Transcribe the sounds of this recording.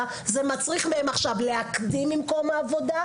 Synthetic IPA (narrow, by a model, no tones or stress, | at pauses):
zemat͡sʁiχmehemaχʃavle̞akd̪imːimko̞maːvo̞d̪a